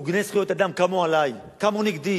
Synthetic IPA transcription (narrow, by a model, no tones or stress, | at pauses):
uɡnesχijot̪ad̪amkamoalaj | kamoniɡd̪i